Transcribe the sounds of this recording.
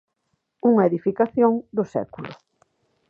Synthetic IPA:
uŋɐeðifikaθjoŋd̪ʊsɛ̰kulʊ

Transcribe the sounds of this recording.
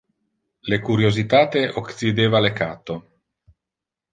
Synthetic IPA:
lekuɾjozit̪aːt̪eʔoksid̪eːvalekaːt̪o

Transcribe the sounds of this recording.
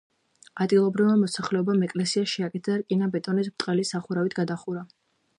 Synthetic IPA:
ad̪ɡilˠɔbɾivmamɔsaχlɛɔbamɛkʼlɛsiaʃiakʼɛt̪ʰaɾkʼinabɛt̪ʼɔnis̬bt̪ʼqʼɛlisaχuɾavit̪ʰɡad̪aχuɾa

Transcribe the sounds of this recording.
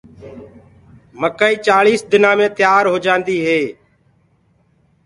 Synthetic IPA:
məkaːiːt͡ʃaːɭiːsd̪ɪnãːmẽːt̪ɪjaːɾɦoːd͡ʒãːnd̪iːɦeː

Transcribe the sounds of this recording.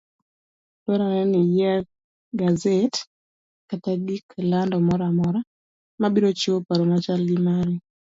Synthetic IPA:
tɔɾanɛnɪja | ɡazet | katadiklandɔmɔɾamɔɾa | mabiɾot͡ʃopaɾomat͡ʃalɡɪmaɾi

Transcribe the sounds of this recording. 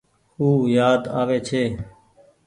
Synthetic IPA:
huːjaːd̪aːʋeːt͡ʃʰeː

